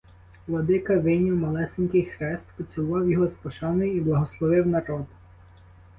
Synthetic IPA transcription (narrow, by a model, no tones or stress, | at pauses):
ʋlˠɔd̪ɪkɐʋɪnʲiwmɐlˠɛsɪnʲkɪjxɾɛst̪pɔt͡sʲʊʋɑwjɔɦɔspɔʃɑnɪjiblˠɐɦɔslˠɔʋɪwnɐɾɔd̪